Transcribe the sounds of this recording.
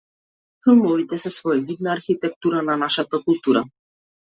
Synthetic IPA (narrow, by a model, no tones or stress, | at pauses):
filˠmɔvit̪ɛsɛsvɔɛvid̪naːɾxit̪ɛk̚t̪uɾananaʃat̪akulˠt̪uɾa